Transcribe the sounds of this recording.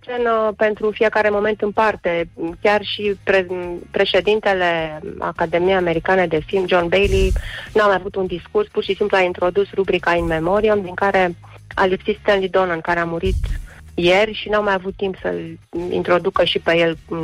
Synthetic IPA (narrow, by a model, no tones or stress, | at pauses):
t͡ʃenəpe̞nt̪ɾufije̞kaɾe̞mo̞me̞nt̪ɨnpart̪e̞kʲarʃipɾepɾe̞ʃe̞d̪int̪e̞le̞a̰kad̪e̞mijeame̞ɾikaned̪e̞filmd͡ʒo̞nbejlinuamajavut̪und̪iskurspurʃisimpluaint̪ɾo̞d̪usrubɾikainme̞mo̞ɾiamd̪iŋkaɾe̞ | a̰lipsit̪st̪enlid̪o̞nɨnkaɾeamuɾit̪ | je̞rʲʃinuamajavut̪ːimpsə̰lḭnt̪ɾo̞d̪ukəʃipe̞jel